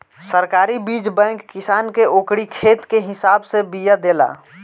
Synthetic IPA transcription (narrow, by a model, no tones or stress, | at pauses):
səɾkaːɾibiːd͡ʒbɛ̃ŋkːɪsaːnkeoːkɽikʰeːt̪keɦɪsaːbsebijad̪eːla̰ː